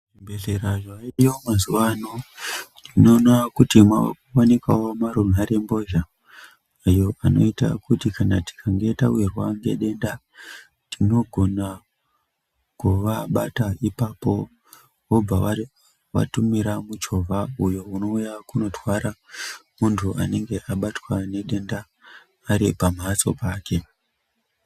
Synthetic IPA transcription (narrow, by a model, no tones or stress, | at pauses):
mbeɮeɾaʐaijomazuʋanonino̞nakutimwawa̰kuwanekawomaɾumaɾe̞mbo̞ʒaː | jo̞ʔano̞̰ita̰kutikanati̥kʰaŋɡe̞tawirwaŋɡe̞̰ɗe̞nda | tino̞ɡʱo̞na | kuʋaɓataipapo̞ | wo̞b͡vawa | wa̰tumiɾamud͡ʒo̞vʱaujo̞uno̞ujakuno̞twaɾamuntʰuʔa̰ne̞ŋɡe̞ʔaɓatwane̞ɗe̞ndaː | ɾipamaso̞̰paːke̞